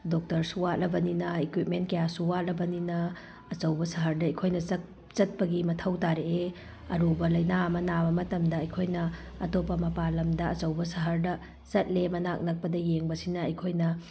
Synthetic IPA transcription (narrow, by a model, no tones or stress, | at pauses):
dok̚tɐɾsuwat̚lɐbɐninɐekwit̚ment̚kɐjasuwatlɐbɐninɐ | ɐt͡ʃɐwbɐsɐɦɐɾdɐɐjkʰojnɐt͡ʃɐ | t͡ʃɐt̚pɐɡimɐtʰɐwtaɾee | ɐɾubɐlɐjnaɐmɐnabɐmɐtɐmdɐɐjkʰojnɐ | ɐtopːɐmɐpalɐmdɐɐt͡ʃɐwbɐsɐɦɐɾdɐ | t͡ʃɐt̚lemɐnak̚nɐk̚pɐdɐjeŋbɐsinɐɐjkʰojnɐ